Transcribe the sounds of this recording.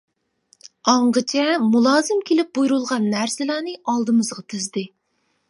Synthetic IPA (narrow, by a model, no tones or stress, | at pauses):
ɑɴʁət͡ʃʰɛmulˠɑːzɨmkʲʰelɪp̚bujuɾulˠʁɑnːæɾsɪlæːnɨɑlˠd̪ɨmɨzʁɑt̪ʰyzd̪ɪ